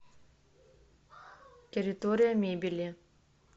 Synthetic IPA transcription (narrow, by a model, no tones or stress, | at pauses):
tʲeɾʲɪt̪oɾʲijɐmʲebʲilʲi